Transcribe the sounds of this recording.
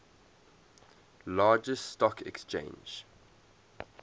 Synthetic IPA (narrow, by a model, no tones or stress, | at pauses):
lɑːd͡ʒəststɔkʰɛ̰kst͡ʃḛ̃ɪ̃nd͡ʒ